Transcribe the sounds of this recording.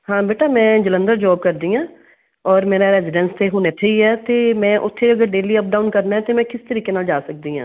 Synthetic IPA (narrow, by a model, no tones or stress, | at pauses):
hãːbeːʈaːmɛ̃ːd͡ʒələ̃nd̪əɾd͡ʒɔːb̚kəɾd̪iːãː | ɔːɾmeːɾaɾɛːzɪɖə̃nst̪eɦuːnet̪ʰeiɦɛːt̪eːmɛ̃ːʔʊt̪ʰːeəɡəɾɖeːliəp̚ɖaːʊnkəɾnaɦɛ̃t̪emɛ̃kɪst̪əɾiːkenaːld͡ʒaːsək̚d̪iːɦãː